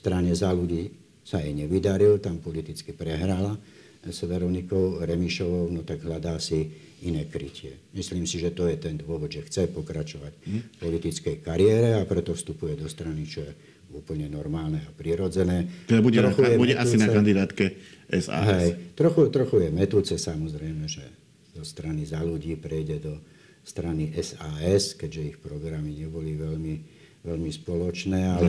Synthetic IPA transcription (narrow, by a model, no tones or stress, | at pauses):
st̪ɾaɲɛzaluɟiː | saɛɲɛʋid̪aɾilt̪ampɔlit̪it͡skipɾɛɦɾala | sɛʋɛɾɔnikɔʊɾɛmiʃɔʋɔʊnɔt̪aɡɦʎad̪aːsi | inɛːkɾicɪɛmisliːmsiʒɛt̪ɔjɛt̪ɛnd̪ʋʊɔʋɔd̪ʒɛxt͡sɛpɔkɾat͡ʃɔʋacpɔlit̪it͡skɛjkaɾɪɛːɾɛapɾɛt̪ɔfst̪upujɛd̪ɔst̪ɾanit͡ʃɔjɛ | uːpl̩ɲɛnɔɾmaːlnɛapɾiɾɔd͡zɛnɛːɛbuɟɛɾɔxujɛbuɟɛʔasinakand̪id̪aːt̪kɛʔɛsa̰ɦɛjt̪ɾɔxut̪ɾɔxujɛmɛt̪uːt͡sɛsamɔzɾɛjmɛʒɛ | zɔst̪ɾanizaluɟiːpɾɛjɟɛd̪ɔ | st̪ɾaniʔɛsaːɛskɛɟʒɛixpɾɔɡɾamiɲɛbɔliʋɛʎmi | ʋɛʎmispɔlɔt͡ʃnɛːalɛ